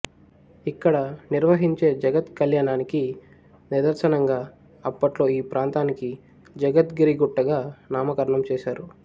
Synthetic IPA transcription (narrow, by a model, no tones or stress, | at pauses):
ikːɐɽɐniɾʋɐɦiɲt͡ʃe̞ːd͡ʒɐɡɐt̪kɐljaːɳaːniki | nid̪ɐɾsɐnɐŋɡaː | ɐpːɐʈlo̞ːiːpɾaːnt̪aːniki | d͡ʒɐɡɐt̪ɡiɾiɡuʈːɐɡaːnaːmɐkɐɾɐɳɐmt͡ʃɛːʃaːɾu